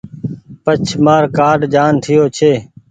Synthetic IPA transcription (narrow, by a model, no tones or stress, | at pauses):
pət͡ʃʰmaːɾkaːɖd͡ʒaːnt̪ʰɪjoːt͡ʃʰeː